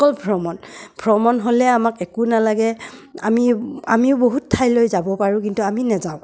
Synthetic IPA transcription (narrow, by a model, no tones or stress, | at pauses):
kɔlbʱɹɔmɔnbʰʱɹɔmɔnɦolɛamakɛkunalaɡɛa̰mia̰miʊboɦutʰːajlojzabɔpaɹũkintuaminɛzãʊ̃